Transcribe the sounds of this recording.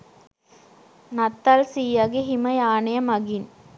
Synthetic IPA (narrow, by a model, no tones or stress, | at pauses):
nɐt̪ːɐlsiːjɐɡiɦimɐjaːnɐjɐmɐɡin